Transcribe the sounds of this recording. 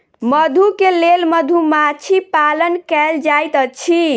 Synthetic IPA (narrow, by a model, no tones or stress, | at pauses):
məd̪ʱukelelməd̪ʱumat͡ʃʰipalənkɛld͡ʒajt̪ət͡ʃʰi